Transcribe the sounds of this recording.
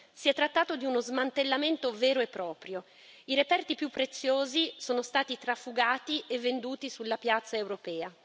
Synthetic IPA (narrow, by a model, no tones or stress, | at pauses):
siɛt̪ːɾat̪ːaːt̪od̪iunozmant̪elːament̪ovɛːɾoepːɾɔːpɾjo | iɾepɛrt̪ipjupːɾet̪sːjoːzisoːnost̪aːt̪it̪ɾafuɡaːt̪iʔevːend̪uːt̪isulːapjat̪sːaewɾopɛːa